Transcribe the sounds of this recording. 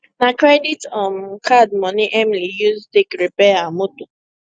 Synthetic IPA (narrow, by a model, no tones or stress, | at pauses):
nakɹɛditɔmkʰadmɔ̃niʔɛmlijuztekɹipɛamoto